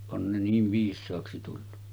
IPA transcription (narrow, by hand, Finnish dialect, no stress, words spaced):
on ne niːʋ ʋiːsˑɑːksi tulːu